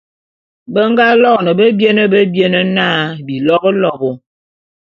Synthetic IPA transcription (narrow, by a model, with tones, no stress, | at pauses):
bə˦ŋ˦ɡa˦lɔ˦˨nə˨bə˦bje˦nə˦bə˦bje˦nə˦naː˦˨bi˨lɔ˦bə˦lɔ˦bɔ˨